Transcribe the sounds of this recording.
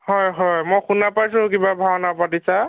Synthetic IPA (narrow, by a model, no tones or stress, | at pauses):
hɔjɦɔjmɔjxunapajs̬ʊ̃kibabʱawɔnapatisa